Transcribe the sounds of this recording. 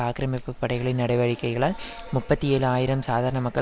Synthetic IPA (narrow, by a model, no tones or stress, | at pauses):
aːkɪɾɐmɪpːɯpːɐɽɐɪɣɐɭɪnnɐɽɐɪʋɐɻɪkːɐɪɣɐɭaːl | mʊpːɐt̪ːieːlɯaːjɪɾɐmsaːðaːɾɐɳɐmɐkːɐ